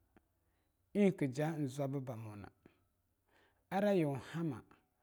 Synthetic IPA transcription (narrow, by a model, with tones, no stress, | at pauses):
i˦˨kɨ˨d͡ʒa˦n̩˨za˦bɨ˦ba˨mɔ˨na̰˨ | a˦ɾa˦jɛ˨ha˦ma̰˨